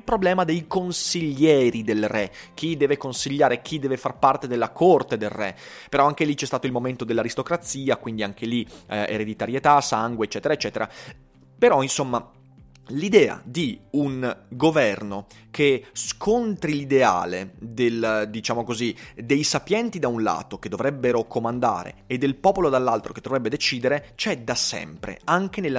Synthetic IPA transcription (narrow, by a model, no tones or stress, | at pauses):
ilpɾoblɛːmad̪ejkonsiʎːɛːɾid̪elrɛk̟ʰːid̪ɛːvekonsiʎːaːɾek̟ʰid̪ɛːvefarpart̪ed̪elːakʰort̪ed̪elrɛ̰peɾɔaŋk̟elit͡ʃɛst̪aːt̪oilmoment̪od̪elːaɾist̪okɾat̪sːiːakwind̪iaŋk̟ʰeliḛɾed̪it̪aɾjet̪asaŋɡweːt͡ʃːɛːt̪eɾaet͡ʃːɛːt̪eɾa̰ | peɾɔinsomːa | lid̪ɛːa̰d̪iuŋɡovɛrno | kʰeskʰont̪ɾilid̪ea̰ːled̪eld̪it͡ʃaːmokozid̪ejsapjɛnt̪id̪aunla̰ːt̪ok̟ed̪ovɾɛbːeɾokomand̪a̰ːɾḛːd̪ːelpɔːpolod̪alːalt̪ɾoked̪ːovɾɛbːed̪et͡ʃiːd̪eɾet͡ʃɛd̪asɛ̰mpɾḛaŋk̟enelː